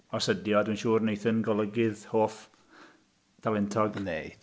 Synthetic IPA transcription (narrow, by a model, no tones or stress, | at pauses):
ɔsədjɔdwinʃuːrnejθənɡɔlˠəɡɪðhoːf | d̥alˠɛntʰɔɡənːḛɨd̥